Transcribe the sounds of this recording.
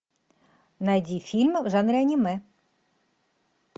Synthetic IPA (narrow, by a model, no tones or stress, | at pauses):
najd͡zʲifʲilʲmɐvʐanɾʲɪɐnʲimɛ